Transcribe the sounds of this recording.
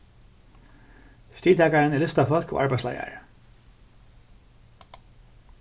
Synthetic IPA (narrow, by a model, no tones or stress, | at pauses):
st̪iːt̪ʰaːkaɹɪnɛɭlʏst̪afœl̥kɔ̰ɣʔaɹpajsla̰ːja̰ɹ